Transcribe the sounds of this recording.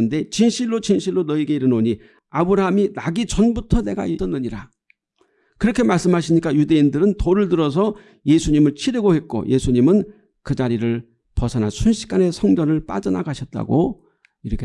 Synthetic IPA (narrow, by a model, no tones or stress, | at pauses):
ɯnde̞t͡ɕinɕʰiɭːot͡ɕinɕʰiɭːonʌiɡe̞iɾɯnoɲi | abɯɾaɦaminaɡit͡ɕʌnbutʰʌne̞ɡa̰it͈ʌnːɯɲiɾa | kɯɾʌkʰe̞maɭs͈ɯmɦaɕʰimɲik͈ajude̞indɯɾɯntoɾɯɭdɯɾʌs̬ʰʌ | je̞sʰuɲimɯɭt͡ɕʰiɾɯɡohe̞t̚k͈o̰jʔe̞sʰuɲimɯn | kɯd͡ʑaɾiɾɯɭ | pʌsʰana̰sʰunɕʰi̥k͈ane̞sʰʌŋd͡ʑʌnɯɭp͈a̰d͡ʑʌna̰ɡaɕʰʌt̚t͈a̰ɡo | iɾʌkʰe